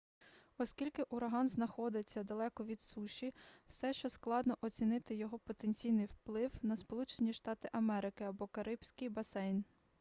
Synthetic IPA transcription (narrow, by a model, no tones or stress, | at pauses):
ɔskʲilʲkɪʔʊɾɐɦɑnznɐxɔd̪ɪt͡sʲːɐd̪ɐlˠɛkɔʋʲid̪suʃʲiw̥sɛʃt͡ʃɔsklˠɑd̪nɔʔɔt͡sʲinɪt̪ɪjɔɦɔpɔt̪enʲt͡sʲijnɪjwplˠɪwnɐspɔlˠut͡ʃenʲiʃt̪ɑt̪ɪʔɐmɛɾɪkɪɐbɔkɐɾɪbsʲkɪjbɐsɛjn